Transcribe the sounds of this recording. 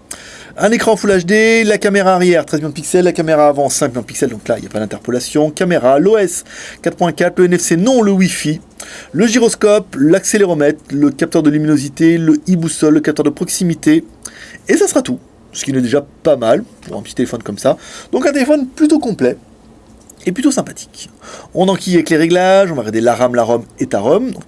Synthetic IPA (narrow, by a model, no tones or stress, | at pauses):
ɛ̃nekχɑ̃fulaʒd̪elakameʁaːʁjɛʁt̪χɛzmij̃d̪əpiksɛlːakameʁaːvɑ̃sɛ̃kmijɔ̃d̪pi̥ksɛld̪ɔ̃klaḭlja̰pad̪ɛ̃t̪ɛʁpɔlasjɔ̃kameʁaloɛskat̪χpwɛ̃kat̪ləɛnɛfsenɔ̃ləwifi | ləʒiʁɔskɔplakseleʁɔmɛt̪ləkap̚t̪œʁd̪əlyminozit̪eləibusɔlːəkap̚t̪œʁd̪əpχɔksimit̪e | esasə̥ʁat̪u | sə̥kʲinɛd̪eʒapamalpuʁɛ̃pə̥t̪it̪elefɔnkɔmsad̪̥ɔ̃kɛ̃t̪̬elefɔnplyt̪okɔ̃plɛ | ep̬lyt̪osɛ̃pat̪ʰi̥kɔ̃nɑ̃kʲijavɛkleʁɛɡlaʒɔ̃vaʁɛd̪elaʁamlaʁɔmɛt̪aʁɔmd̪ɔ̃k